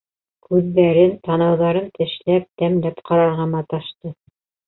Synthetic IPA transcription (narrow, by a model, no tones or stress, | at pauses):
kʉðːæɾɘnt̪ɑnɑwðɑɾɤnt̪ɘ̆ʃlæp̚t̪æmlæpqɑɾɑɾʁɑmɑt̪ɑʃt̪ɤ